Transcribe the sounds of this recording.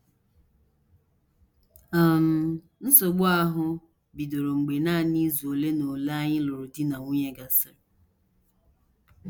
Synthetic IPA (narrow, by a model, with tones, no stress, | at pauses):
a˨m̩˨ | n̩˦so˨ɡ͡bɔ˦a˦ɦʊ˦ | bi˨do˨ɾo˨ŋ͡m̩˨ɡ͡be˨na˦˨ni˦zu˨o˨le˦no˨la˦ɲɪ˦lo˨ɾʊ˨di˦na˨ŋu˦ɲe˦ɡa˦sɪ˦ɾɪ˨